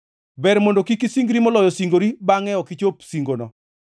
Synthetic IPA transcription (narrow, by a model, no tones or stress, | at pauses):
bɛɾmondokikisiŋɡɾimɔlɔjɔsiŋɡoɾibaŋɛɔkɪt͡ʃopsiŋɡonɔ̰